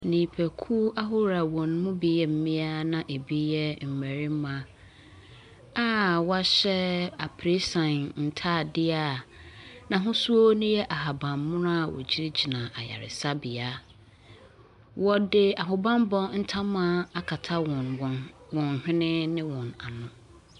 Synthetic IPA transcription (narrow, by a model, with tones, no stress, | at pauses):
nĩː˨pʰæ˨kʰu˦a˦ɦo˦ɾa˨wɔ̃˨n˦mʊ̃˦bi˨jɛ˨m̩˦mĩ˦a˦nã˨ʔe˨bi˦jɛ˦m̩˨mæ˨ɾi˦mã˨ | a˦wa˦ɕɛ˦a˨pʰɾe˦sã˨nn̩˨tʰa˦˨dɪ˦a˨nã˨ɦʊ̃˦su˦o˦nʊ̃˦jɛ˦ʔa˨ɦa˨bã˨mmʊ̃˦na˦˨wɔ̰˨d͡ʑi˦ɾd͡ʑi˨nã˨ʔa˨ja̰˨ɾɪ̰˨sa˦bɪ˨a˨ | wɔ˦dɪ˦a˨ɦʊ˨bã˦m˦bɔ̃˦n̩˦tʰã˦mã˦a˨kʰa˨tʰa˦wɔ̃˨nwɔ˨nwɔ̃˨n˨hᶣɪ̃˦nɪ̃˦nɪ̃˦wɔ̃˨na˨nʊ̃˦